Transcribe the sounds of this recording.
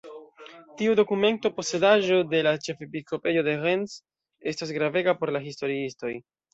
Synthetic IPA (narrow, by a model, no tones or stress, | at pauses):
tiudo̞kume̞nto̞po̞se̞daʒo̞de̞lat͡ʃe̞fepisko̞pe̞jode̞ɣe̞ns | e̞stas̬ɡɾave̞ɡapo̞ɾlaɦisto̞ɾiisto̞j